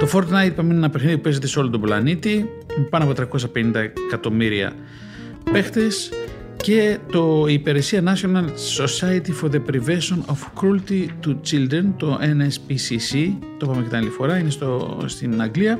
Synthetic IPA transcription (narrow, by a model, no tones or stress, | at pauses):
t̪o̞fo̞ɾt̪nɐjd̪̚pɐmenenɐpexniðipupezet̪e̞seo̞lot̪oblɐ̰nit̪i | mpɐnoɐpo̞t̪ɾɐko̞sɐpe̞nind̪ɐkɐt̪o̞miɾiɐ̰ | pe̞xt̪e̞s | ce̞t̪o̞ipe̞ɾe̞siɐnɐsonɐnso̞sɐjɐt̪ifoðepɾivesonofkɾult̪it̪ut͡ʃild̪ɾent̪o̞ʔenespisisi | t̪o̞pɐmekɐt̪inɐlit̪ifo̞ɾɐinest̪ost̪inɐŋɡliɐ